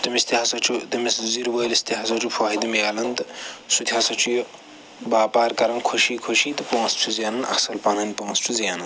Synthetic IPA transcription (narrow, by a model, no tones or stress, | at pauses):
t̪imist̪iɦasɐt͡ʃʰut̪imisziɾʋəːlist̪iɦɐsɐt͡ʃʰupʰaːɦid̪imjaːlɐnt̪sut̪ʰʲiɦɐsɐt͡ʃʰuj | baːpaːɾkɐɾɐnkʰuʃiːkʰoʃiːt̪ɨpõːst͡ʃʰuzjaːnɐnɐ̰ksɐlpɐnɐnʲpõːst͡ʃʰuzjaːnɐn